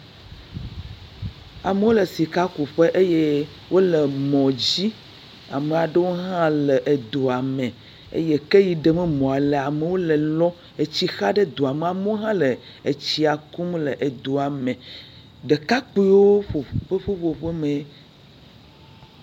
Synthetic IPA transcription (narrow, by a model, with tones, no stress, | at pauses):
a˨me˦wo˦le˨si˨ka˦ku˨ɸe˦ʔe˦je˦ | wʔo˦le˨mɔ̃˨d͡ʑi˦ | a˨me˨a˨ɖe˦wo˦ɦã˦le˨ʔe˨d̪o˨a˨mẽ˨ | ḛ˦je˦ke˦ji˨ɖe˨mɛ˦mɔ̃˨a˨le˨a˨me˨wo˦le˨lɔ˦ | e˨t͡ɕi˦xa˦ɖe˦d̪o˨a˨me˨a˨me˦wo˦ɦã˦le˨ | e˨t͡ɕi˦a˨ku˦mle˨ʔe˨d̪o˨a˨mẽ˨ | ɖe˨ka˦k͡pi˦woo˦ɸo˨ɸe˦ɸo˦ɸo˨ɸe˦mẽ˨